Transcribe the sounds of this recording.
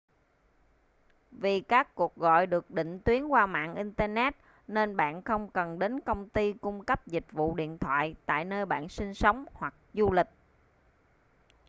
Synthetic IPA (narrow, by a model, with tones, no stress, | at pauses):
vi˨˩kaː˦˥kːu˨˩ək̚ɣɔ̰˧˨jɗɨ˨˩ək̚ɗḭ̈˧˨ŋ̟t̪wi˨˦ənkwaː˧ma̰ː˧˨nʔi˧nt̪əː˧nɛ˦˥t̚ | ne˧nɓa̰ː˧˨nxə˧wŋ͡mkə˨˩nɗe˨˦nkə˧wŋ͡mt̪i˧kʊ˧ŋ͡mkə˦˥p̚zï˨˩k̚vṵ˧˨ɗḭ˧˨ənt̪ʰwa̰ː˧˨jt̪a̰ː˧˨jnəː˧jɓa̰ː˧˨nsi˧ŋ̟sə˨˦wŋ͡mhwa˨˩k̚zu˧lï˨˩k̟̚